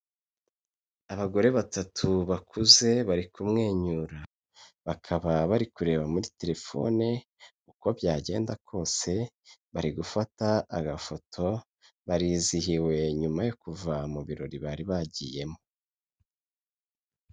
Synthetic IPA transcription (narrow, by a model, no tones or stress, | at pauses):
aβaɡo̞ɾe̞βatatʰuβakʰuze̞βaɾikumŋe̞ːɲuːɾa | βakʰaβaβaɾikuɾe̞ːβamuɾite̞ɾe̞fo̞̰ne | kuko̞bjaːɟe̞̰ːndakʰo̞ːse̞ | βaɾiɡufataaɡafo̞tʰo̞ | βaɾiːzihiwe̞ɲumajokuvamuβiɾo̞̰ɾiβaɾiβaɟiːje̞mo